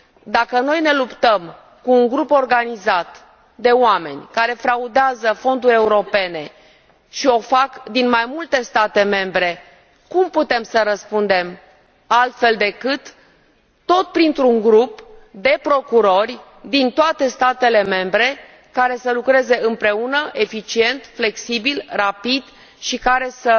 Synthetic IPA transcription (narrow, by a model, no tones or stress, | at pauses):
d̪akəno̞jne̞lupt̪əm | kuːŋɡɾupo̞rɡanizat̪ | d̪e̞oame̞̰nʲkaɾe̞fɾaud̪eazəfo̞nd̪uɾʲe̞uɾo̞pe̞ne̞ | ʃio̞fakd̪inmajmult̪e̞st̪at̪e̞me̞mbɾe̞ | kumput̪e̞msəɾəspund̪e̞m | alt̪fe̞ld̪e̞kɨt̪ː | o̞t̪̚pɾint̪ɾuŋɡɾupd̪e̞pɾo̞kuɾo̞rʲ | d̪int̪oat̪e̞st̪at̪e̞le̞me̞mbɾe̞ | kaɾe̞səlukɾe̞ze̞ɨmpɾe̞unəʔe̞fit͡ʃie̞nt̪fle̞ksibilrapid̪ | ʃikaɾe̞sə